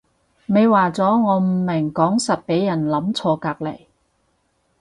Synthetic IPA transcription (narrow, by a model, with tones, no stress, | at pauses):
me˨˧jwaː˨t͡sɔː˨˥ŋɔː˨˧m̩˨˩mɪ˨˩ŋkɔː˨˥ŋsɐ˨t̚pe˨˥jjɐ˨˩nlɐ˨˥mt͡sʰɔː˧kaː˧k̚lɐ˨˩j